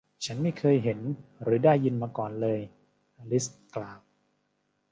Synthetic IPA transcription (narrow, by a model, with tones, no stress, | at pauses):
t͡ɕʰa˦˥nma˥˩jkʰɤː˧jɦe˩˦nɾɯː˩˦daː˥˩jːɯ˧nmaː˧kɔː˨˩nlɤː˧j | ʔa˧li˦˥sklaː˨˩w